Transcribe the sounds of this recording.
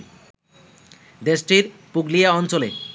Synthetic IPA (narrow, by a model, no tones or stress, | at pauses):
d̪eʃʈiɾpuɡlijaɔnt͡ɕolḛ